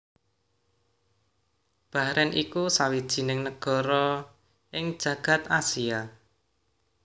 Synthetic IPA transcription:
b̥a̤hɾɛnʔikusawid̥ʒ̥i̤nɪŋnəɡ̥ɔ̤ɾɔ | ɪŋd̥ʒ̥ä̤ɡ̥ä̤t̪asia

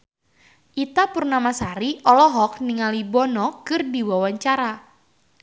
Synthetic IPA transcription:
ʔit̪apurnamasaɾiʔɔlɔɦɔk̚niŋalibɔnɔkɨrdiwawaɲt͡ʃaɾa

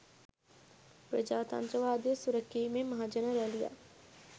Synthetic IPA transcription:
pɾəd͡ʒaːt̪ɐ̰nt̪ɾəʋaːd̪iəsuɾəkːiːmẽmɐɦaːd͡ʒənəɾɛɦlija̰ː

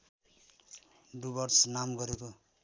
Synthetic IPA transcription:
ɖubʌrsnamɡʌɾeko

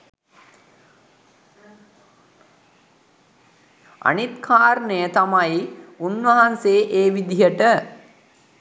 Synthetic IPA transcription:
a̰nit̪kʰaːɾnəjət̪amajunʋɐɦanseːʔeːʋid̪ijəʈə

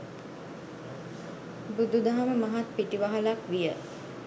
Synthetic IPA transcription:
bud̪ud̪aɦaməmaɦat̪̚piʈiʋaɦalakʋijə

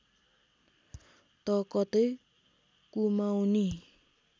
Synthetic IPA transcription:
t̪ʌkʌt̪ʌj | kumawni

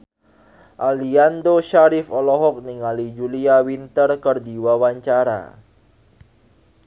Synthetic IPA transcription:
ʔaliand̪oʃaɾifɔlɔɦɔk̚niŋalid͡ʒuliawint̪ərkərd̪iwawaɲt͡ʃaɾa̰

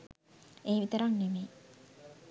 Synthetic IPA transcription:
eːʋit̪əɾaŋnimeː

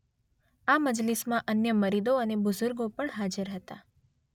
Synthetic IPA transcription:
aməd͡ʒlismãʔənjəməɾid̪oənebʊzʊɾɡopəɳɦad͡ʒəɾɦət̪a

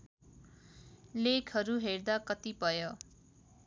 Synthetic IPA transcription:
lekʰɦʌɾuɦerd̪akʌt̪ibʱʌjo

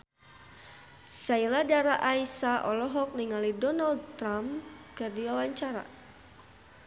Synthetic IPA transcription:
sailadaɾaʔaisaʔɔlɔɦɔk̚niŋalidɔnaldt̪ɾamkɨrdiwawaɲt͡ʃaɾa̰

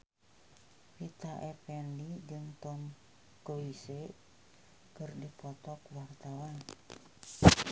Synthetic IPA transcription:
pit̪aʔepɛndid͡ʒɨŋt̪ɔm | kowise | kɨrdipɔt̪ɔkwart̪awan

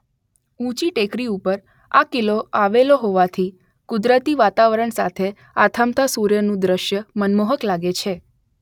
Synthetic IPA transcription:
ũt͡ʃiʈekɾiupəɾ | akiloaʋeloɦoʋat̪ʰi | kʊd̪ɾət̪iʋat̪aʋəɾəɳsa̰t̪ʰe | at̪ʰəmt̪ʰasuɾjənũd̪ɾəʃjəmənmoɦəklaɡet͡ʃʰe

